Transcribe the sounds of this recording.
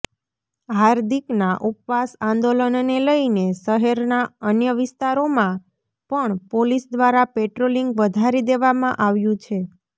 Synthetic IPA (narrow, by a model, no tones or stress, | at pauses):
ɦaɾd̪ʱiknaʔupʋasãnd̪olənneləineʃəɦɛɾnaənjəʋɪst̪aɾomã | pəɳpolisd̪ʋaɾapeʈɾoliŋɡʋəd̪ʱaɾid̪eʋamãʔaʋjũt͡ʃʰe